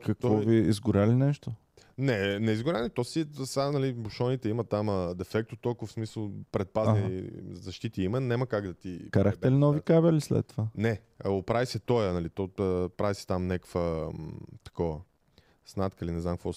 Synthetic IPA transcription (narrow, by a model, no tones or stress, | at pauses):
kɐk̪ɔvɔviizɡʊɾʲalinɛʃt̪o | nɛnɛizɡʊɾʲalit̪ɔsisanɐlibʊʃɔnit̪ɛimət̪aməd̪ɛfɛk̚t̪ʊ̥t̪olˠkʊvəfsmisəlˠpɾɛt̪̚paznizɐʃt̪it̪iimənɛməkaɡd̪ɐt̪ikaɾəxt̪ɛlinɔvikabɛlislɛ̰t̪ːovanɛ | opɾavisɛt̪ɔjənɐlit̪ɔəpɾavisɛ̥t̪amnʲakə̥fə | t̪ɐ̥kɔvə | snat̪kəlinɛznamkɐkvɔ